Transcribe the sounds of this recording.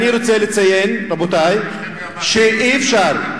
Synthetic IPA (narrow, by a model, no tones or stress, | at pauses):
niɾo̞t͡selet͡sajenɾabotaj | ʃeʔiefʃaʁ